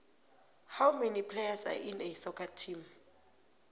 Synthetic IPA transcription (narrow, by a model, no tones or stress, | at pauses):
hawmenipʰlejasa̰ʔinesɔkʰatʰim